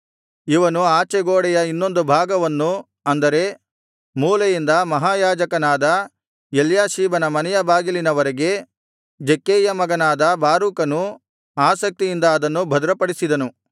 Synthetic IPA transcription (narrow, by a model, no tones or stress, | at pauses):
iʋɐnuaːt͡ʃɛɡoːɽɛjɐinːo̞nd̪ubʱaːɡɐʋɐnːu | ɐnd̪ɐɾe̞ | muːlɐjind̪ɐmɐɦaːjaːd͡ʒɐkɐnaːd̪ɐ | eljaːʃiːbɐnɐmɐnɛjɐbaːɡilinɐʋɐɾeɡe̞ | d͡ʒekːeːjɐmɐɡɐnaːd̪ɐbaːɾuːkɐnu | aːsɐk̚t̪ijind̪ɐːd̪ɐnːubʱɐd̪ɾɐpɐɽisid̪ɐnu